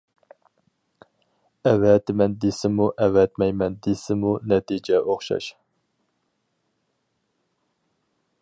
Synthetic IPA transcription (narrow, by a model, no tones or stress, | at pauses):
ɛvɛt̪ɪmɛnd̪esɪmuʔɛwɛt̪mɛjmɛnd̪esɪmunɛt̪id͡ʒɛʔoχʃɑ̰ʃ